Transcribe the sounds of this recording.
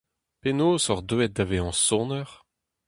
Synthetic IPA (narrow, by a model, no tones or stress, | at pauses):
penoːsɔʁd̪øɛt̪̚d̪aveɑ̃sɔ̃nœʁ